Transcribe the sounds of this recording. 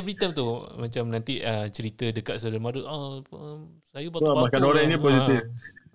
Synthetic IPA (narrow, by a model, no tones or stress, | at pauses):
vɾit̪ajmt̪umãt͡ʃamnãnt̪iət͡ʃəɾit̪ədəkat̪̚səɾəmaɾuʔa | sajupataamakanoɾãŋnipɔsit̪if